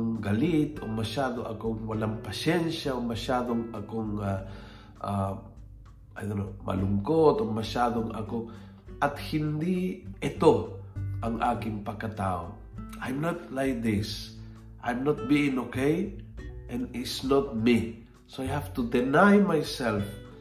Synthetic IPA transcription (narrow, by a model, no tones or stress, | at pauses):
ŋɡɐlit̪omɐʃaːd̪oʔɐ̰koŋwalaŋpɐʃɛnʃaomɐʃaːd̪oŋɐkoŋa | ʔa | ʔajd̪onomɐ̰lʊŋkot̪omɐʃaːd̪oŋɐ̰ko | ʔɐt̪hɪnd̪iɪt̪oʔɐŋʔaːkɪŋpɐkːat̪aːo | ʔajmnat̪lajk̚d̪ɪs | ʔajmnot̪̚biɪ̃ŋokejʔɛ̃nɪtsnɔt̪̚mi | soajhaft̪ud̪ɛnajmajsɛlf